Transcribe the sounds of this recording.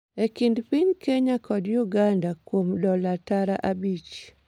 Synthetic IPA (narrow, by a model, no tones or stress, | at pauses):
ekɪndpiɲkeɲakʰɔdjuɡandakwomdɔlataɾaʔabit͡ʃ